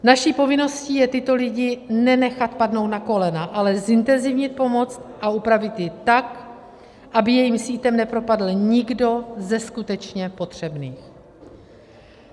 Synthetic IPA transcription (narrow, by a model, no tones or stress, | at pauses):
naʃiːpo̞vɪno̞sciːjɛt̪ɪt̪o̞lɪɟɪnɛnɛxat̪padno̞wt̪nako̞lɛnaʔalɛzɪnt̪ɛnzɪvɲɪt̪̚po̞mo̞t͡st̪ʔaupɾavɪt̪jɪt̪ak | ʔabɪjɛjiːmsiːt̪ɛmnɛpɾo̞padl̩ɲɪɡdo̞zɛskut̪ɛt͡ʃɲɛpo̞t̪r̝̥ɛbniːx